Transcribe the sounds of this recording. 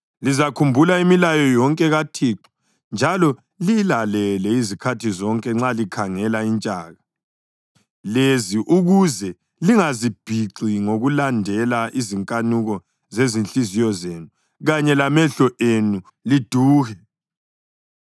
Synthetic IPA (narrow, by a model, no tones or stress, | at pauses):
lizakʰumbʱulaimilajɔjɔŋkʼɛɣatʰiːǁɔ̥ | nd͡ʒʱalɔ | lilalɛlɛizikʰatʰizɔŋkʼɛŋ͡ǁalikʰaŋɛlaint͡ʃʼa̰ːɣa | leziʔuɣuzɛ | liŋazib̥ʱiǀiŋoɣulandʱɛlaʔiziŋkʼanuɣɔ | zezinɬʼizijɔzenu | ɣaɲɛlamɛɬɔʔenu | lid̥ʱuːɣɛ